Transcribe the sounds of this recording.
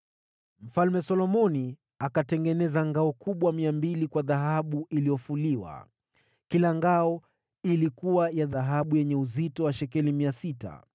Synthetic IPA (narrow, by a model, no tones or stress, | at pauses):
m̩falmɛsɔlɔmɔni | akatɛŋɡɛnɛzaŋɡaɔkuɓwamiambilikwaðaɦaɓuilijɔfuliwa̰ | kilaŋɡaɔ | ilikuwajaðaɦaɓujɛɲɛuzitɔwaʃɛkɛlimiasita̰